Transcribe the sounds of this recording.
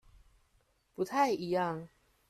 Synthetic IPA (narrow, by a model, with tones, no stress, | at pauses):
pu˨˦˥t̪ʰa˥˨ɪi˧˦jɑ˥˨ŋ